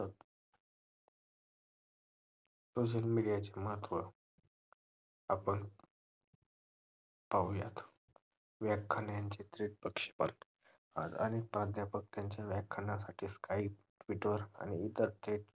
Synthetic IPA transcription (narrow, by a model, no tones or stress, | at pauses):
t̪ | soɕ̬əlmiɽijat͡ɕeməɦət̪ːʋə | apəɳ | pauja̰t̪ | ʋjakkʰːanjaɲt͡ɕet̪ɾiʈ̚pəkʂe̥pa̰ɾ | a̰t̪a̰ñipɾad̪ʱjapək̚t̪jaɲt͡ɕjaʋakkʰːanasaʈʰiːskaip̚ʈʋiʈʋəɾa̰ñiit̪əɾt̪ʰeʈ